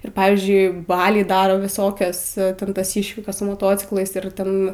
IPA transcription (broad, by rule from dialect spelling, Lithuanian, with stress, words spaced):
ɪr ˈpɑːʋʲiːzʲd͡ʒʲʊɪ ˈbɑːlʲɛɪ ˈdɑːroː ʋʲɪˈsoːkʲɛs ˈtʲɛn tɐs ˈiːʃʲʋʲɪkɐs sʊ moːˈtoːt͡sʲɪklˠɐɪs ɪr ˈtʲɛn